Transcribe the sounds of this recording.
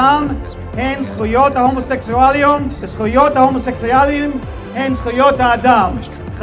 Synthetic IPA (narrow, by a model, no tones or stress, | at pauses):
am | hensχujot̪hahomoseksualiumvesχujot̪hahomoseksualim | hensχujot̪haːd̪am | χ